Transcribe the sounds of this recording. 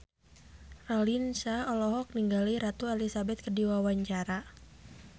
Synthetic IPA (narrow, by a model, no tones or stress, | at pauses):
rɔlinsaɔlɔɦɔk̚niŋɡaliɾat̪ualisabɛt̪̚kədiwawaɲt͡ʃaɾa